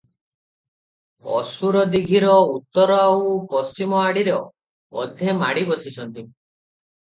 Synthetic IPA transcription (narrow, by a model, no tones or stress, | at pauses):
ɔ̰suɾɔd̪iɡʱiɾɔut̪ːɔɾɔaupɔst͡ʃimɔaɽiɾɔ̰ː | d̪ʱemaɽibɔsit͡ʃʰɔnt̪i